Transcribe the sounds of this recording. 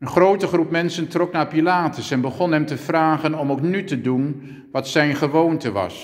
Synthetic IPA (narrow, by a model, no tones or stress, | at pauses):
ənχrowtəχrup̚mɛnsəntrɔknaːɹpilaːtəsɛnbəχɔnɦɛmtəvraːχənɔmowknytədun | ʋɑtsɛjnχəʋowntəʋɑ̰s